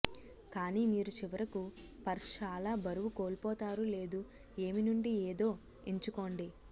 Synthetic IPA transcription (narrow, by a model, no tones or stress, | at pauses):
kaːniːmiːɾut͡ʃiʋɐɾɐku | pɐɾst͡ʃaːlaːbɐɾuʋukoːɭpɔːt̪aːɾule̞ːd̪u | e̞ːminuɳɖieːd̪o̞ː | eɲt͡ʃuko̞ːɳɖi